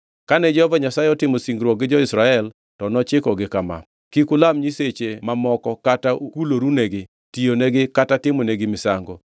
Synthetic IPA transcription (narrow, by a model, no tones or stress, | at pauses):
kanɛd͡ʒɔhɔvaɲasaeɔtɪmosiŋɡɾwɔk̚ɡɪd͡ʒɔɪsɾaɛl | tɔnɔt͡ʃɪkɔɡɪkama̰ | kikʊlamɲiset͡ʃemamɔkɔkataukuloɾuneɡɪ | tijoneɡɪkatatɪmɔneɡɪmɪsaŋɡɔ